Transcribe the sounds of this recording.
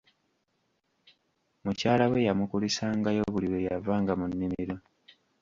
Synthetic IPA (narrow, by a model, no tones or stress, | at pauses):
mucaːlawe̞jamukulisaŋɡajo̞βuliwejavaːŋɡamunːimiɾo̞